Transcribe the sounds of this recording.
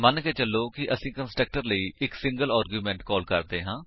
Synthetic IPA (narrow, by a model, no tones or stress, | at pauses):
mənkɛːt͡ʃəlːoːkɪʔəsĩːkənsʈɾək̚ʈəɾləiːʔɪksɪ̃ŋɡəlaːɾɡjuːmɛ̃ːɳʈkɔːlkəɾd̪eːɦãː